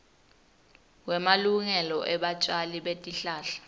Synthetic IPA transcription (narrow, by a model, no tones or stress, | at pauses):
wɛmaluŋɛlɔʔɛɓat͡ʃʼaliɓetʼiɬaːɬḁ